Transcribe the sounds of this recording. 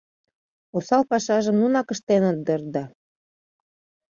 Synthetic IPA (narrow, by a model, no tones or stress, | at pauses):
osɑlpɑʃɑʒə̆mnunɑkə̆ʃt̪enot̪̚d̪ə̆rd̪ɑ